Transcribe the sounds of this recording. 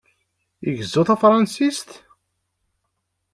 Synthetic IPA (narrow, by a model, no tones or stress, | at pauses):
iʝəzːuθæfɾˤɑnsist̪